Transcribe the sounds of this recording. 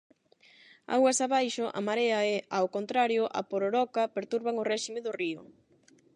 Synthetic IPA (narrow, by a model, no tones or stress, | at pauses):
a̰wɐsaβajʃʊʔa̰maɾeaɛawkont̪ɾaɾjʊʔa̰poɾoɾɔkapeɾt̪uɾβaŋorɛʃimeðʊriʊ̰